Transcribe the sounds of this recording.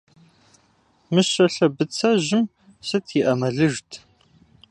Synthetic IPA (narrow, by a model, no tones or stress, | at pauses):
mɨɕɐɬɐbɨt͡sʰɐʑɪm | sɨtʰiʔɐmɐɮɨʒtʰ